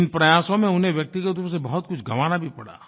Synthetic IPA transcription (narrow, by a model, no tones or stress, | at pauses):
ɪnpɾɐjaːsõmẽʊnɦẽʋjɐk̚t̪iɡət̪õsebɐɦʊt̪̚kʊt͡ʃʰɡɐʋaːnabʱipɐɽa̰ː